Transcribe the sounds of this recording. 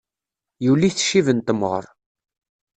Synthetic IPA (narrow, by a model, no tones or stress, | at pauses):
julːiθʃivənt̪əmːʁə̰ɾˤ